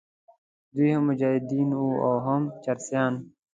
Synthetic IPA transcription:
d̪uiɦɐmːʊd͡ʑaːɦid̪iːnuːoːɦɐmt͡ɕɐɾsjaːn

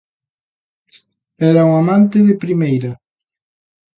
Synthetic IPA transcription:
ɛɾauŋamãnt̪ɪðɪpɾimejɾa

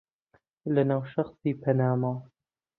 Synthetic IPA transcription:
lɐnaːwʃɐxsiːpʰɐnaːma

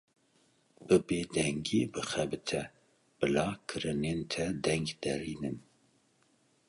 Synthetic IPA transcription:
b̥ɨbeːd̪ɛŋɡiːbɨxɛbɨt̪ʰɛ | b̥ɨlɑːkʰɨɾɨnent̪ʰɛd̪ɛŋɡd̪̥ɛɾiːnɨn

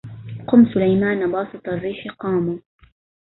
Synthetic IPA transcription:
qʊmːsʊlajmaːnbɑːsˤɨt̪ˤɑrːiːħqɑːmuː

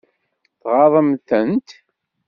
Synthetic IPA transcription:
θʁɑðˤəmθənt̪

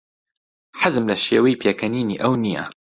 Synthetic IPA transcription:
ħazɨmlɐʃeːwɐjiːpʰeːkʰɐniːnḭːʔɐwnijɐ̰

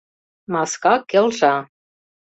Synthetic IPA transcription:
mɑskɑkːelʒɑ

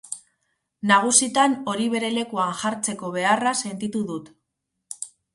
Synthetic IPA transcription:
naɣ̞usit̪ano̞ɾiβ̞e̞ɾe̞le̞kuanʝaɾt͡se̞ko̞β̞e̞arase̞nt̪it̪uðut̪

